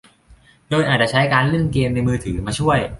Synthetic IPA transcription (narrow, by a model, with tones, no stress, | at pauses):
doː˧jʔaː˨˩t̪̚t͡ɕa˧˩t͡ɕʰa˦˥jkaː˧nlɯ˥˩nkeː˧mna˧jmɯː˧t̪ʰɯː˩˦maː˧t͡ɕʰu˥˩əj